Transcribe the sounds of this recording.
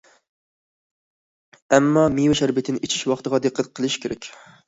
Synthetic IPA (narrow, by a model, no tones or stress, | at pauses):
ɛmːɑmijwɪʃæɾbɪt̪ʰɪnɪʔet͡ʃʰi̥ʃwɑχt̪əʁɑd̪eqʰːæt̪̚qʰəlˠɨʃkʲʰeɾɛkʲ